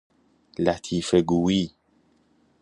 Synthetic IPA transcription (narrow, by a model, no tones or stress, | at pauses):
lat̪ʰifɛɡuwi